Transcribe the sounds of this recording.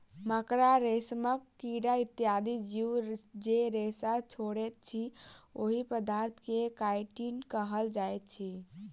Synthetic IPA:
məkɾaɾesməkːiɽait̪ːjad̪id͡ʒid͡ʒeɾesat͡ʃʰoɽet̪̚t͡ʃʰioɦipəd̪aɾt̪ʰkekajʈinkəɦəld͡ʒajt̪̚t͡ʃʰi

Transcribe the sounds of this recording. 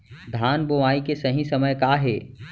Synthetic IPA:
d̪ʱaːnboʋaːikesɐɦĩsɐməjkaːɦeː

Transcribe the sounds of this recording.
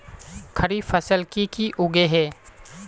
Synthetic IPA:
kʰəɾifɐsəlkikiʔʊɡeɦɛː

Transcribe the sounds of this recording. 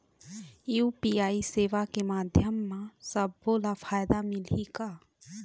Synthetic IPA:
juːpijaːiseːʋakemaːd̪ʱjəmːãsəbːoːlafʰaːjd̪amɪliɡa

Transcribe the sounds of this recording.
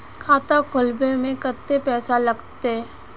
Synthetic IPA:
kʰaːt̪akʰʊlbemẽkət̪ːepɛːsalɐɡt̪e

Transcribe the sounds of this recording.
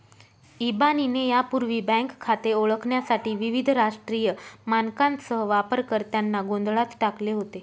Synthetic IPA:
ibaninejapuɾʋiːbɛ̃ŋkʰːat̪eoɭəkʰɳjasaʈiːʋiʋid̪ʱɾaʂʈɾijəmankãnsəɦəʋapəɾkəɾt̪janːaɡond̪ʱɭat̪ʈakleɦot̪e

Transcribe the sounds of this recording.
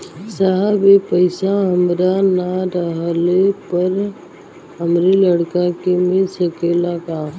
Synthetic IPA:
saɦəbepəɪsaɦəmɾanaɾəɦlepəɾ | ɦəmɾiləɽkakemɪsəkeːlakaː

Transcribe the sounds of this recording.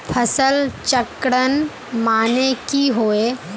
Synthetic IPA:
pʰəsəlt͡ʃəkɽən | maːnekiɦoːe

